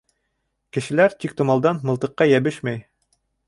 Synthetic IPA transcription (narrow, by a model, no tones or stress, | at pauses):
kɘ̆ʃɘ̆læɾt̪ik̚t̪ŏmɑlˠd̪ɑnmɤ̆lˠt̪ɤ̆qːɑjæβɘʃmæj